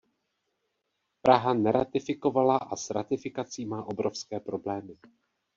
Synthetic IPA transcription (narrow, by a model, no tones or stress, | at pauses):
pɾʔaɦanɛɾa̰t̪ɪfɪko̞valaʔasɾat̪ɪfɪkat͡siːmaːʔo̞bɾo̞fskɛːpɾo̞blɛːmɪ